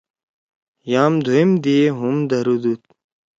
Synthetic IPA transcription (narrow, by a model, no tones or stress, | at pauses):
jaːmd̪ʱuimd̪ieɦumd̪ɐɾud̪ut̪̚